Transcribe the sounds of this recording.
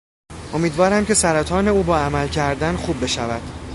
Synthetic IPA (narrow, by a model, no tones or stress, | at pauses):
ʔo̞miːd̪vɒːɾæmcʰe̞sæɾæt̪ʰɒːne̞uːbɒːæmælcʰæɾd̪ænxuːbːe̞ʃævæd̪̥